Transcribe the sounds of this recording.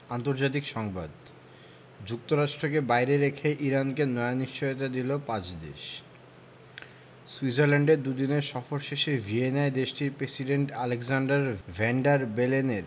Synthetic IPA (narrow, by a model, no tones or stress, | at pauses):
ant̪oɾd͡ʑat̪̬ikʃɔŋbad̪ | d͡ʑuk̚t̪oɾaʃʈɾok̬ebajɾeɾekʰeʔiɾankenɔeaniʃt͡ɕojot̪̬ad̪ilopãt͡ɕd̪ḛʃ | suid͡ʑaɾlɛɳɖeɾd̪ud̪ineɾʃɔfoɾʃeʃevʱienaed̪eʃʈiɾpɾesiɖeɳʈaleɡzaɳɖaɾvʱɛɳɖaɾbeleneɾ